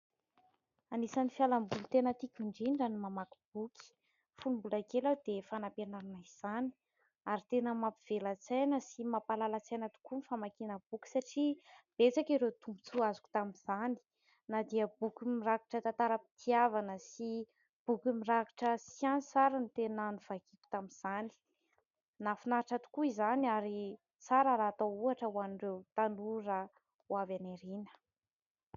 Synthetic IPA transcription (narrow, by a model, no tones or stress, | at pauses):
anisanifjalambulut̪enət̪ikʲuɳɖ͡ʐinɖ͡ʐanimamaku̥b̥ukʰi̥ | fulumbulakelawd̪efanapenaɾanaiz̥ani̥ | aɾit̪enəmapiv̥elat͡sajnəsimapalalat͡sajnət̪u̥kunifamakinəb̥ukʲu̥saʈ͡ʂib̥et͡sakiɾet̪umbu̥t͡suazu̥ku̥t̪aminz̥ani̥ | nad̪iəbukʲumiraki̥ʈ͡ʂət̪ant̪aɾəpi̥t̪ʰiavanəsi | b̥ukumiraki̥ʈ͡ʂəsianit͡saɾənit̪enanuv̥aɡ̥ikʲu̥t̪aminz̥ani̥ | nafinaɾaʈ͡ʂat̪u̥kuizanaɾi | t͡saɾəɾaːt̪ouaʈ͡ʂəwanirewt̪anuɾa | wavaneɾinə̥